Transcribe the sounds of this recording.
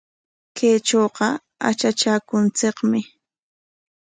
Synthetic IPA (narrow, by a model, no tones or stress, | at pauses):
kejt͡ʃoːqɑ | a̰t͡ʃat͡ʃaːkʊnt͡seqmɪ